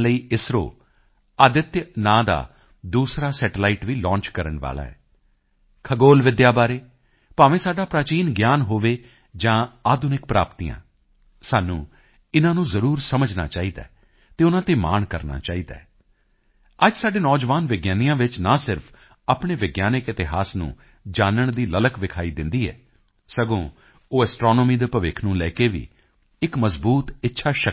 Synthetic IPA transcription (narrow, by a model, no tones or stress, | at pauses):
ləiːɪsɾo̰ː | əd̪ɪt̪jnãːd̪a̰ː | d̪uːsɾaːsɛːʈlaːiʈʋiːlɔ̃ːɲt͡ʃkəɾəɳʋa̰ːla̰ːɛ̰ː | kʰəɡoːlʋɪd̪jaːbaːɾeː | paːʋẽːsaːɖaːpɾaːt͡ʃiːnɡjaːnɦoːʋeː | d͡ʒãːaːd̪ʊnɪk̚pɾa̰ːpt̪ijã̰ː | saːnṵ̃ː | ɪnãːnũːzəɾuːɾsəməd͡ʒna̰ːt͡ʃaːiːd̪a̰ː | t̪eːʊnãːt̪eːma̰ːɳkəɾna̰ːt͡ʃaːiːd̪a̰ː | əd͡ʒsaːɖeːnɔːd͡ʒʋaːnʋɪɡjaːnijãːʋɪt͡ʃnaːsɪɾpʰ | aːpɳeːʋɪɡjaːnɪkɪt̪ɪɦaːsnṵ̃ː | d͡ʒaːnəɳd̪iːlələkʋɪkʰaːiːd̪ɪnd̪iːɛ̰ː | səɡõː | oːɛsʈɾɔːnɔːmiːd̪eːpəʋɪkʰnũːlɛːkeːʋḭː | ɪkməzbuːt̪ɪtːʃʰaːʃə